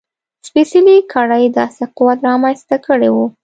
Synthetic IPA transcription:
spesɪlikʰɑɽajd̪ɑseqʊwat̪ɾɑmanst̪akəɽewu

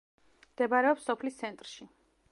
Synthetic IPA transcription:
md̪̥ɛbaɾɛɔpsɔpʰlist̪sʰɛnt̪ʼɾʃi

